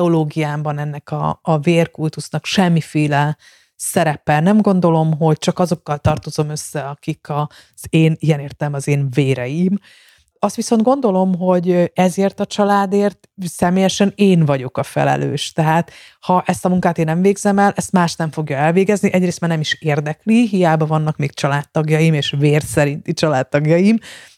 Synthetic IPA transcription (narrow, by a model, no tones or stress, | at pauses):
ɛoloːɡijaːmbɒnɛnːɛkɒ̰ːveːrkult̪usnɒkʃɛmːifeːlɛ | sɛɾɛpɛnɛmɡo̞n̪d̪o̞lo̞mɦo̞ɟt͡ʃɒkɒzo̞kːɒlt̪ɒrt̪o̞zo̞mø̞sːɛɒkikɒ | z̥eːniɛneːrt̪ɛlɛmɒzeːnveːɾɛjim | ɒst̪ʋiso̞nɡo̞nd̪o̞lo̞mɦo̞ɟɛzeːrt̪ɒt͡ʃɒlaːd̪eːrt̪sɛmeːjɛʃɛneːnvɒɟo̞kɒfɛ̰lɛ̰lø̰ːʃt̪ɛɦaːt̪ | hɒʔɛst̪ɒmuŋkaːt̪eːnːɛmveːɡzɛmɛlʔɛst̪maːʃt̪nɛɱfo̞ɡjɒɛlveːɡɛzniʔɛɟreːst̪maːrnɛmiʃeːrd̪ɛkliɦijaːbɒvɒnːɒkmeːkt͡ʃɒlaːt̪ːɒɡjɒjimeːʃveːrsɛɾint̪it͡ʃɒlaːt̪ːɒɡjɒjim